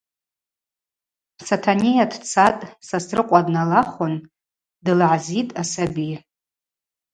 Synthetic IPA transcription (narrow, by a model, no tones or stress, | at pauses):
satʰanʲijadʰt͡sʰatʼsasrɨqʷʼadnalaχʊn | dɨlʕazitʼasabi